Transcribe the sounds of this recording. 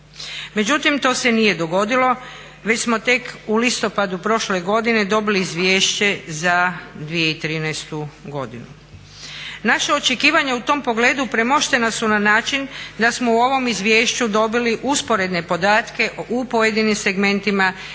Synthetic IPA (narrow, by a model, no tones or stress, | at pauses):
me̞d͡ʑut̪imt̪o̞ːse̞nije̞d̪o̞ɡo̞d̪ilo̞ | ʋe̞t͡ɕsmo̞t̪e̞kulist̪o̞pad̪upɾo̞ʃleɡo̞d̪ine̞d̪o̞biliːzʋje̞ːʃt͡ɕe̞zad̪ʋije̞it̪ɾiːnɛjst̪uɡo̞d̪inu | naʃao̞t͡ʃe̞kiːʋaɲaut̪o̞ːmpo̞ɡle̞ːd̪upɾe̞mo̞ʃt̪e̞nasunanaːt͡ʃind̪asmouo̞ʋo̞mizʋje̞ːʃt͡ɕud̪o̞biliʔuspo̞ɾe̞d̪ne̞po̞d̪aːt̪ke̞upo̞je̞d̪inimse̞ɡme̞nt̪ima